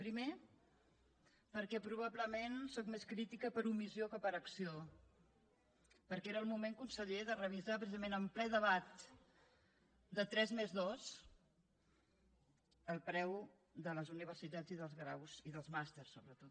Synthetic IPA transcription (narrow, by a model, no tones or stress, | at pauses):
pɾime | pəɾkɛpɾuβ̞abləmensɔkmeskɾit̪ikəpəɾumiziokəpəɾəksio | pəɾkeɾəːlˠmumeŋkunsəʎeðərəβ̞izapɾəsizəmenəmplɛðəβat̪̚ | d̪ət̪ɾɛzmezðɔz | əlˠpɾɛw | d̪ələzuniβ̞ərsit̪ad͡ziðəlˠzɣɾa̰wziðəlˠzmast̪ersːoβɾət̪ot̪